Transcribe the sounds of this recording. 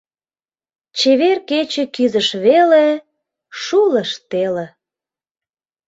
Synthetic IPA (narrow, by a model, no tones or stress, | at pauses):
t͡ɕeβerket͡ɕĕkyzəʃβele | ʃuləʃt̪elĕ